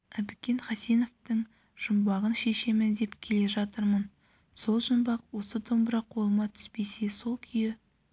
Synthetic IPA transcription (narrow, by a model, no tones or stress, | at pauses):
æbɪkʲe̞nχɑseno̞ft̪əŋ | ʒ̥ʊmbɑʁənʃe̞ʃe̞mɪnd̪e̞pkʲʰe̞le̞ʒɑt̪əɾmən | so̞lˠʒʊmbɑqwo̞sət̪ʰo̞mbəɾɑqʰo̞lˠəmɑt̪ʰʏ̥spe̞se̞so̞lˠkʲʰʏjɪ